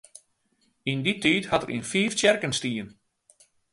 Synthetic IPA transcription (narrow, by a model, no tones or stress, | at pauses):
inditʰithɑtərʔḭnfiːftɛrkənstiːən